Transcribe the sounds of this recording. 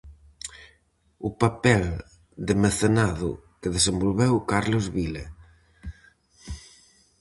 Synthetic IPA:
ʊpapɛl | d̪emeθenaðʊ̰keðesembolβɛwkaɾlozβilḛ

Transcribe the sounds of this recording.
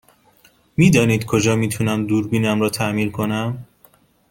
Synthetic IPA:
miːd̪ɒːniːd̪kʰo̞d͡ʒɒːmiːt̪ʰunæmd̪uːɾbiːnæmɾɒːt̪ʰæʔmiːnkʰo̞næm

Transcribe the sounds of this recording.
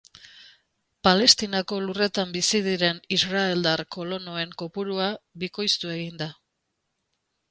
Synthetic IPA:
pale̞st̪inako̞lure̞t̪ambisiðiɾe̞nisrae̞ld̪arko̞lo̞no̞e̞ŋko̞puɾuaβiko̞jst̪ue̞ɣind̪a

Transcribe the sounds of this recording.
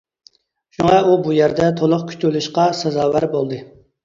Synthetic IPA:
ʃuŋɑubujæɾd̪ɛt̪ʰolˠʊqkʲʰy̥t͡ʃ̪yluʃqɑsɑzɑːwæɾbolˠd̪ɨ

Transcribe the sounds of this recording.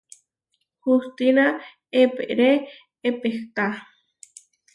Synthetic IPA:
xust̪ina | epḛʔɾeː | pexk̪a

